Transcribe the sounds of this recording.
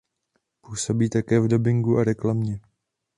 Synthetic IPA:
puːso̞biːt̪akɛːvdo̞bɪŋɡuʔaɾɛklamɲɛ

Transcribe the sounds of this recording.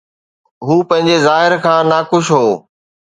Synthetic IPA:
ɦuːpɐ̃ɦɪ̃ɲd͡ʑezaːɦɪɾkʰãːnakʊʃɦoː

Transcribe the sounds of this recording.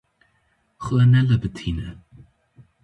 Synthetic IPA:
xəənɛləbət̪ʰiːnə

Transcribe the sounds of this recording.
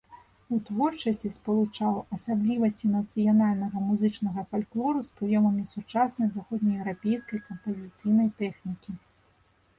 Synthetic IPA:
ut̪vɔrt͡ʂɐsʲt͡sʲispɐlˠut͡ʂawɐsablʲivɐsʲt͡sʲinɐt̪sɨjanalʲnɐɣɐmuzɨt͡ʂnɐɣɐfalʲklˠɔɾuspɾɨjɔmɐmʲisut͡ʂasnɐjzaxɔd̪ʲnʲɐjɛwɾapʲejskɐjkɐmpɐzʲit̪sɨjnɐjt̪ɛxnʲikʲi

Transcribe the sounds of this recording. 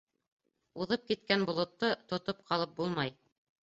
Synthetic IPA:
uðɤp̚kit̪kænbŏlˠŏt̪ːɤt̪ŏt̪op̚qʰɑlˠɤp̚bulˠmɑj

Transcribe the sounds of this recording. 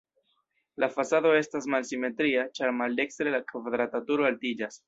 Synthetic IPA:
lʔafasado̞e̞stas̬malsime̞t̪ɾiat͡ʃaɾmald̪e̞kst̪ɾe̞lakvad̪ɾat̪atuɾoaltid͡ʒas

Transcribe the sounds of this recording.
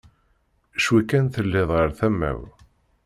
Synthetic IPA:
ʃwikːænθəlːɪðˤʁəɾθæmːæ̰w

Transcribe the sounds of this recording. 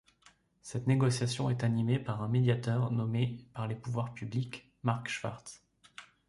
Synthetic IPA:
sɛt̪neɡɔsjasjɔ̃ɛt̪animepaʁɛ̃med̪jat̪œʁnɔmepaʁlepuvwaʁpyblik | maʁkʃfa̰ʁt̪s

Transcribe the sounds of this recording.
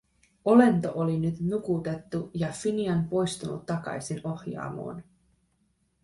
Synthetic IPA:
o̞le̞nt̪o̞ʔolinyt̪nukut̪e̞t̪ːujɑfiniɑnpo̞jst̪unṵt̪ːɑkɑ̰jsino̞hjɑ̰ːmo̰ːn

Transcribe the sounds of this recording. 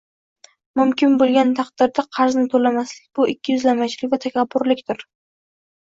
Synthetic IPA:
mʊmkʲʰɪnbolˠɡʲant̪ʰɑqd̪̥ɪɾd̪aqʰɑɾznɪt̪ʰolamaslɪ̥kʲbʊʔɪkʲːɪjʏzlamat͡ʃʰɪlɪkʲvat̪ʰakʲapːʊɾlɪkʲt̪ɪɾ

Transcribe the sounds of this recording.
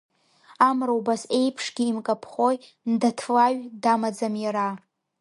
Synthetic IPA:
amrowbase̞jpʰʂɡʲiːmkʼapʰχoj | ndatʰlaɥdamad͡zamjaɾa

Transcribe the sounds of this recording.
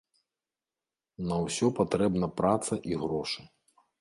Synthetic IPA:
nɐwsʲɔpat̪ɾɛbnɐpɾat̪sɐʔiɣɾɔʂɨ

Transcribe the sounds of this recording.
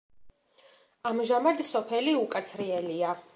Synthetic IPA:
amʒamad̪sɔpʰɛliukʼat̪sʰɾiɛlia

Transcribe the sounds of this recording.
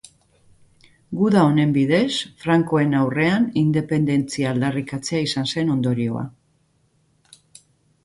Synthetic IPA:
ɡuðao̞ne̞mbið̞e̞sfɾaŋko̞e̞nawre̞anind̪e̞pe̞nd̪e̞nt͡siaːld̪arikat͡se̞aisanse̞no̞nd̪o̞ɾio̞̰a̰

